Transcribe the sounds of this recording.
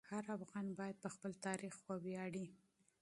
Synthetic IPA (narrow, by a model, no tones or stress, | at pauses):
haɾafɣɑnbɑjad̪̚pəxpəlt̪ɑɾixwəwjɑɽi